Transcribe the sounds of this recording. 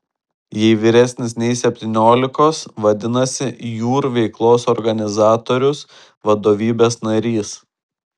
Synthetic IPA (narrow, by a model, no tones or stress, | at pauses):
jɛɪʋʲiɾʲɛsʲnʲɪsnʲɛɪsʲɛpʲt̪ʲiːnʲoːlʲɪkoːsʋɐd̪ʲɪnɐsʲɪjuːɾʋʲɛɪklˠoːsɔɾɡɐnʲɪzɑːt̪oːɾʲʊs | ʋɐd̪oːʋʲiːbʲeːsnɐɾʲiːs